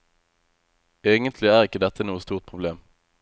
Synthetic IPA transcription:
eːɡənt̪ʰlɪæːʁɪkːəd̪ɛt̪ənuːəst̪uːʁt̪̚pʰʁʊbleːm

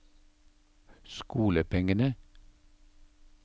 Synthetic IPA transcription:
skuːləpʰɛŋənə

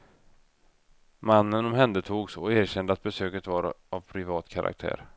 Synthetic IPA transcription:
manːənɔmɦɛnd̪ət̪ʰuːɡsɔeːɾɕɛnd̪əat̪̚bɛsøːkət̪vaɾavpʰɾɪvɑːt̪kʰaɾʔa̰k̚t̪ʰæ̰ːɾ

